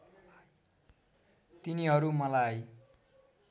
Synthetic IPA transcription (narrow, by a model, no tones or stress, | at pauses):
t̪iniɦʌɾumʌlaj